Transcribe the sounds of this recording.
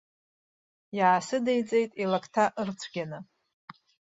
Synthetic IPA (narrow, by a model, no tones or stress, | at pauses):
jaːsɨdejt͡sʼe̞jtʼilakʰʼtʰaʔɨrt͡sʷʰɡʲanɨ